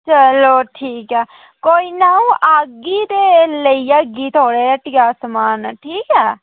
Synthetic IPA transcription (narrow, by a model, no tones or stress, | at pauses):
t͡ʃəloːʈʰiːkɛː | koːiːnaːũːʔaɡiːd̪eːləiːaɡiːt̪ʰoːɽeːʈɪkaːsəmaːnʈʰiːkɛː